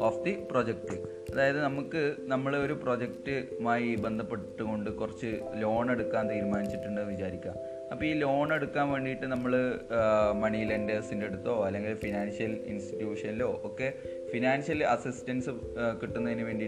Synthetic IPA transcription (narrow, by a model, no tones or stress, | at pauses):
oːfd̪ipro̞ːd͡ʑek̚ʈɨ | ɐðaːjɐðɨnɐmukːɨnɐmːɐɭo̞ɾupro̞d͡ʑektɨmaːjibe̞nd̪ʱɐpːe̞ʈːuɣo̞ɳɖɨkurɐt͡ɕːɨlo̞ːɳe̞ɽukːaːnt̪iːɾumaːnit͡ɕːiʈːuɳɖɨʋit͡ɕaːɾikʲːa̰ːm | ɐpːoiːlo̞ːɳe̞ɽukːaːnʋe̞ːɳɖijʈːɨnɐmːɐɭɨ | mɐɳilendesindee̞ɽut̪ːoːɐlːe̞ŋɡilfinaːnʂjɐlḭnsti̥tjuːʂɐnilo̞ːʔoːkːe̞ | finaːnɕɐlɐsistɐnsɨ | kiʈːunːɐðinɨʋe̞ːɳɖi